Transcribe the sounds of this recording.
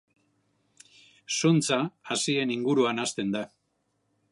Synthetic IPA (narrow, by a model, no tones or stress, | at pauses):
sont͡saːsie̞niŋɡuɾuanast̪e̞nd̪a